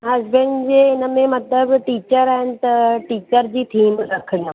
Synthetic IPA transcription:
ɦɐzbẽɳɖd͡ʑeːɪnəmẽmɐt̪ləbʈiːt͡ɕəɾaːɦɪnɪ̆t̪ɐʈiːt͡ɕəɾd͡ʑiːt̪ʰiːmɾɐkʰɪɽijõ

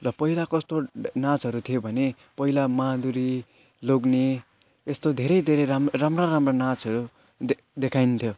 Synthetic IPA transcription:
lʌpʌilakʌst̪onãt͡sɦʌɾut̪ʰijobʱʌne | pʌilamad̪uɾi | loɡne | est̪od̪ʱeɾʌjd̪ʱeɾʌamramraɾamranat͡sɦʌɾu | d̪ekʰajnt̪ʰjo

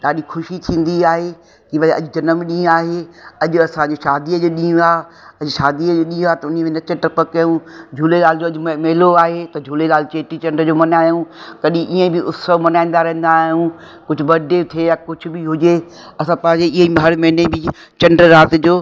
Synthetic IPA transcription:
ɗaːɗixʊʃit̪ʰĩːn̆d̪iaːɦe | kiʋɐɐ̰ʄʊd͡ʑɐnəmɗĩːaːɦeɐʄʊɐsãd͡ʑoʃaːd̪iəd͡ʑoːɗĩːũaː | ɐʄʊʃaːd̪iəd͡ʑoːɗĩːũat̪ɐʊnimẽnɐt͡ɕəʈɐpəkːɐjũd͡ʑʱuːlelaːld͡ʑoːɐʄʊmeɦloaːɦet̪ɐd͡ʑʱuːlelaːlɪt͡ɕeːʈit͡ɕɐ̃ɳɖɾəd͡ʑoːmɐnaːɦiũkɐɗĩʔiːə̃bɪʔʊsəʋmɐnaːĩːn̆d̪aɾɐɦə̃n̆d̪aːɦijũ | kʊd͡ʑʱʊ̆bɐɖet̪ʰiejakʊd͡ʑʰʱʊ̆bɪɦʊd͡ʑe | ɐsãpɐ̃ɦɪ̃ɲd͡ʑeɪɦimɦɐɽmɐɦnebɪ | t͡ɕɐɳɖɾəɾaːt̪ɪd͡ʑoː

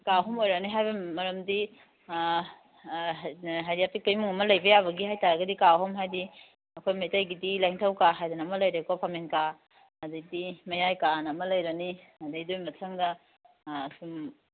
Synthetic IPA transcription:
kaɦɔmojɾɐniɦajbɐmɐɾɐmdi | ɦajdiaptik̚ɐjmuŋɐmɐlɐjbɐjaβɐɡihajtaɾɐɡɐdikaɦɔmɦajdi | ɐkʰojmejtajɡidilaŋtʰɐwkaɦajdɐnɐːmɐlɐjɾekɔpʰamenka | ɐdidimɐjajkanɐːmɐlɐjɾɐniɐdidojmɐtʰaŋdɐ | sum

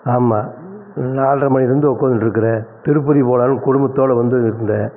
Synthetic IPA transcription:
aːmaːnaːlrɐmɐnɪɪɾɯnd̪ɯɔkːoːnɯʈɾɯkːɐɾet̪ɪɾɯpːɐðipoːlaːlɯ̃kʊɽʊmbɐt̪ːoːɽɐʋɐnd̪ɯɪɾɯnd̪ɐ

